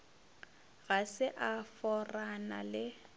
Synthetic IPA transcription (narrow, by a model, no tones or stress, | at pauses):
ɣasɪʔafɔrana̰lɪ